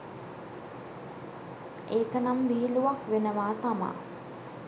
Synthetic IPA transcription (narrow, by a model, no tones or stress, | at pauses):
eːkənamʋiːluʋakʋenəʋaːt̪ama̰ː